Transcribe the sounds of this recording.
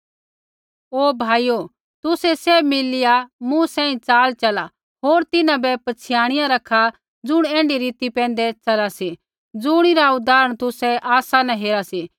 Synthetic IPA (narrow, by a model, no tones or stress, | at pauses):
oːbʱaːijo | t̪ʊsɛseːmɪlɪjamũsɛ̃ːĩt͡saːlt͡ʃɐla | ɦoːɾt̪ɪnãbɛpɐt͡sʰɪjaːɽ̃ɪjãɾɐkʰːa | d͡zʊɽ̃ɛ̃ːɳɖiɾiːt̪ipɛ̃ːnd̪ɛt͡sɐlasi | d͡zʊɽ̃iɾaʊd̪aːɾəɽ̃t̪ʊsɛʔaːsanãɦeːɾasiː